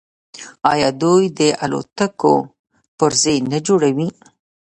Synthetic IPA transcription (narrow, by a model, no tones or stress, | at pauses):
ɑjɑd̪ujd̪əʔa̰lo̰t̪ako̰ | pəɾzejnad͡ʒoɽawi